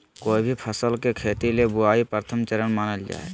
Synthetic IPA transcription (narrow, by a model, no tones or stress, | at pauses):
koːibʱipʰəsəlkekʰeːt̪ilebʊaːipəɾt̪ʰəmt͡ʃəɾənmaːnəld͡ʒa̰ːḛ